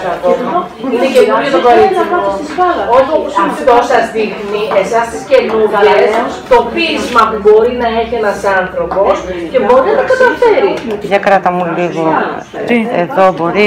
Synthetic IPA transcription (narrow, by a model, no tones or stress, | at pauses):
ɐo | inecenuɾʝot̪okɐɐpɐsivɐlɐot̪oposit̪osɐzðixnie̞sɐst̪isce̞nuɾʝet̪o̞piizmɐpubo̞ɾinɐe̞çienɐsɐnθɾo̞po̞sce̞bo̞ɾinɐnɐkɐt̪ɐfeɾiʝɐkɾɐt̪ɐmuliɣo | eðobo̞ɾi